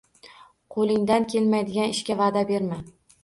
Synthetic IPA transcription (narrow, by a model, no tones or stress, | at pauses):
qʰolˠɪŋd̪ankʲʰe̞lmajd̪ɪɡʲanɪʃkʲavaːd̪abeɾma